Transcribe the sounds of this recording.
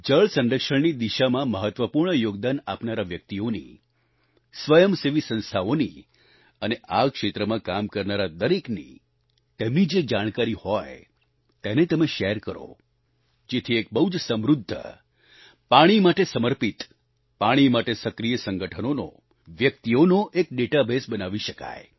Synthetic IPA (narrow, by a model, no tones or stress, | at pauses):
d͡ʒəɭsə̃nɾəkʃəɳnid̪iʃamãməɦət̪ʋəpuɾɳəjoɡ̚d̪anapnaɾaʋjək̚t̪ionḭ | sʋəjəmseʋisə̃nst̪ʰaoni | əneʔakʃet̪ɾəmãkamkəɾnaɾad̪əɾeknḭ | t̪emnid͡ʒed͡ʒaɽ̃kaɾihɔj | t̪enet̪əmeʃɛɾkəɾo̰ | d͡ʒet̪ʰiek̚bəɦud͡ʒsəmɾud̪ʱːə̰ | paɽ̃imaʈesəməɾpit̪ | paɽ̃imaʈesəkɾijəsəŋɡəʈʰənono̰ | ʋjək̚t̪ionoʔek̚ɖeʈabesbənaʋiʃəka̰j